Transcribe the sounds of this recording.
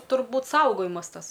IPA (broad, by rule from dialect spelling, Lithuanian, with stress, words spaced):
tʊrˈbuːt ˈsɐʊɡoːjɪmɐs ˈtɐs